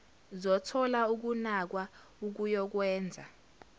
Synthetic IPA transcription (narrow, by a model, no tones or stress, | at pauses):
zɔtʰɔlauk̬unak̬wa | uk̬ujɔk̬wɛːnd͡zʱa̰